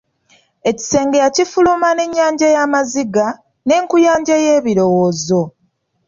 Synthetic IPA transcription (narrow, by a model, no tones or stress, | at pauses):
e̞ci̥se̞ːŋɡejacifulumane̞ɲːaːɲɟajamaziɡa | ne̞ːŋkujaːɲɟaje̞ːβiɾo̞wo̞ːzo̞